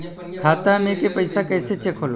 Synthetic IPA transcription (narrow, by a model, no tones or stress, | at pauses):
kʰaːt̪amẽkepəɪsakɛːset͡ʃekʰoːlo